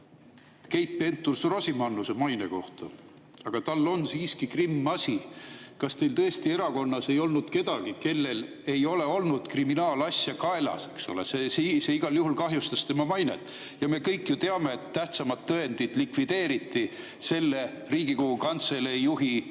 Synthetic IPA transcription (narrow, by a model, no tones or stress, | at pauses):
ke̞jt̪̚pe̞nt̪ːˑursrosimɑnːuse̞mɑjne̞̰ko̞ht̪ɑ | ɑɡ̥ɑt̪ɑlːo̞nsiːskikrimːɑsʲikɑst̪e̞jlt̪ɤest̪ie̞ɾɑko̞nːɑse̞jo̞lnud̪̥ke̞d̪̥ɑɡ̥ike̞lːe̞l | e̞jo̞le̞o̞lnud̪̥kriminɑːlɑsʲjɑkɑe̞lɑ̰se̞ksole̞̰sesiseiɡ̥ɑljuɦulkɑɦjust̪ɑst̪e̞mɑmɑjne̞̰t̪ˑː | jɑme̞kɤjkːˑjut̪eɑme̞ːet̪ːæht̪sɑmɑt̪ːɤe̞nd̪id̪̥likvid̪̥e̞ːɾit̪ːi | se̞lːe̞ | riːɡikoɡukɑnt̪selejuɦi